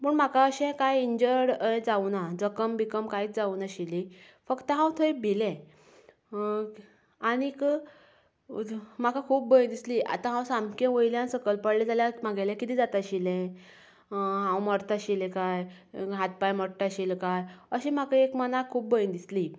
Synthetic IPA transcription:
məːɳm̤akaəɕɛ̃kajiɲd͡ʑəɽəd͡zaunad͡zəkəmbikəmkait͡sd͡zaunaɕili | fəkt̪əɦãwt̪ʰoibʱilɛ̃ | aɽ̃ik | m̤akakʰuːp̚bəj̃d̪isliʔa̰t̪ãɦãwsamkẽʋəjljãnsəkəlpəɽlɛd͡zaljãmaɡalɛ̃kit̪iːd͡zat̪aɕilɛ̃ | ɦãwməɾt̪aɕilɛ̃kaj | ɦat̪̚pajməɽʈaɕilkajəɕim̤akaekmənakʰːuːp̚bəjĩnd̪isli

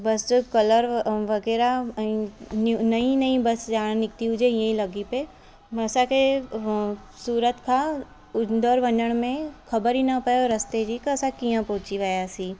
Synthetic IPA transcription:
bɐskɐləɾʋɐɡɛːɾaĩnnɐɦĩnɐɦĩbɐsd͡ʒaːñnɪk̚t̪iʊd͡ʒejɐɦĩlɐɡipe | mɐsake | suːɾət̪kʰa | ʊnd̪əɾʋɐ̃ndəɽ̃mẽkʰɐbəɾinapəɾɐst̪ed͡ʒikːsakijãpoːt͡ʃiʋaːjasiː

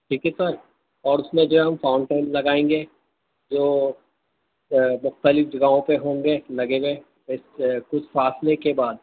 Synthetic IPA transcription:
ʈʰiːkɛsəɾ | ɔːɾʊsmẽd͡ʒoɛɦɐmfãːʊ̃ɳɖʈaːɪnlɐɡaːẽːŋɡeː | d͡ʒoː | mʊxt̪əlɪfd͡ʒɐɡaɦõpeɦõːŋɡelɐɡẽɡe | ɪskʊt͡ʃʰfaːslekebaːd̪̚

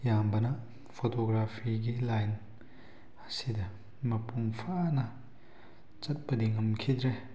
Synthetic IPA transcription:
jambɐnɐ | pʰotoɡɾapʰiɡilajn | ɐsidɐ | mɐpuŋpʰanɐ | t͡ʃɐt̚pɐdiŋɐmkʰidɾe

